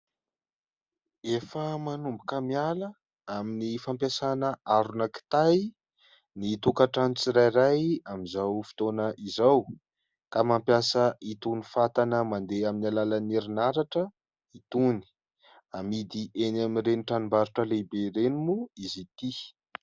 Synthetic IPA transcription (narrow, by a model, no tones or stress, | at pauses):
efəmanumbukəmialə | aminifampjasanəaɾunaki̥t̪aj | nit̪ukaʈ͡ʂanit͡siɾajɾajamizawfi̥t̪onəʔizaw | kamampjasəit̪unifat̪anəmand̪eaminalalaneɾinaɾaʈ͡ʂə | it̪uni̥ | amid̪iʔenamirenʈ͡ʂanumbaɾuʈ͡ʂəlebeɾenimuizit̪i